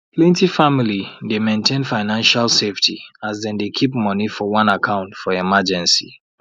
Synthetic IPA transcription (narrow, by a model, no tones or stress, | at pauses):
pʰlẽntifamilidemẽntʰẽnfaɪnãnʃalseftʰiazdɛ̃ndekʰipmɔnifɔwɔ̃nakʰãʊ̃ntfɔɛmad͡ʒɛ̃nsḭ